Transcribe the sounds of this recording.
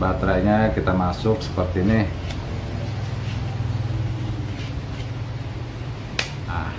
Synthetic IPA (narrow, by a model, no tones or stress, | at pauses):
bat̪ɾaɲakit̪amasʊk̚sə̥pərt̪inɪh | a